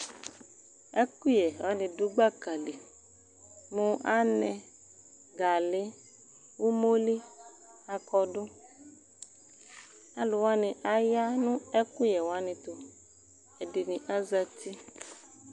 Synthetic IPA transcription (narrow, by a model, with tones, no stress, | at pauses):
ɛ˦ku˦jɛ˨wa˦nĩ˨du˦ɡ͡ba˦ka˨li˨ | mũ˦ʔa˦nɛ̃˨ | ɡa˨le˦ | wo˦mo˦li˦ | a˨kɔ˨do˦ | a˦lo˨wa˦nĩ˨ʔa˦ja˦nũ˦ɛ˦ku˦jɛ˨wa˦nĩ˨t̪o˨ | e˨de˨nĩ˨ʔa˦za˨t̪i˦